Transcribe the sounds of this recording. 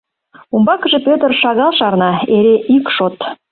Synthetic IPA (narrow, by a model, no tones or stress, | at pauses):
umbɑkəʒĕpøt̪ərʃɑɣɑlʃɑrnɑeɾeʔykʃot̪